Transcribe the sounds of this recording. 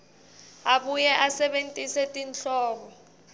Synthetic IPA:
aɓujɛʔasɛɓen̩tʼisɛtʼint͡ɬɔːkɔ

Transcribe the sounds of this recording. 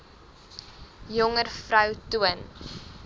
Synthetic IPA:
jɔŋərfrœwtuən

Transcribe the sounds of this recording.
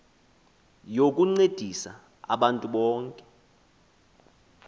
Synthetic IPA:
jok̬ʼuŋ͡ǀed̥ʱisa | a̰ɓantʼuɓɔːŋkʼɛ

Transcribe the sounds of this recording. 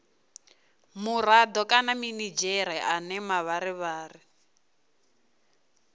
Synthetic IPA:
murad̪ɔkʼanaminid͡ʒɛɾɛʔanɛmaβaɾiβaːri

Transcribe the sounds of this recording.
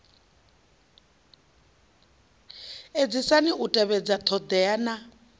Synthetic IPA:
ed͡zisaniʔutʼɛβɛd͡zat̪ʰɔd̪ɛana

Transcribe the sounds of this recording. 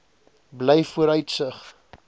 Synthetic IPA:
blɛjfuəɾœɥtsəχ

